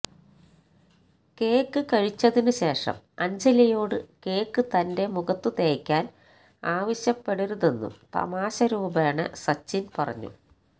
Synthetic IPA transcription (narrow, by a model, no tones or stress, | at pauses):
ke̞ːkːɨkɐɻit͡ɕːɐðinɨɕe̞ːʂɐ̰m | ɐɲd͡ʑɐlɐjo̞ːɽɨke̞ːkːɨt̪ɐnde̞muɣɐt̪ːɨt̪eːɐkʲːaːn | aːʋɐɕjɐpːe̞ɽuɾuðenːṵmt̪ɐ̰maːɕɐɾuːbaːɳɨ̰sɐt͡ɕːinpɐrɐ̰ɲːṵ